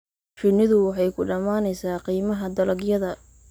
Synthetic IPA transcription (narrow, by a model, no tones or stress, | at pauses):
fɪnːɪðʊwɑħɑjkʰʊɖɐmaːnɛjsaːqiːmɐɦɐd̪ɐlɐɡjɐðɐ